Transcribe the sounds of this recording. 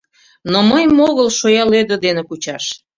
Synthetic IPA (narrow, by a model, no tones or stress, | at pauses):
noməjmoɣəlʃojɑlød̪əd̪enekut͡ɕɑʃ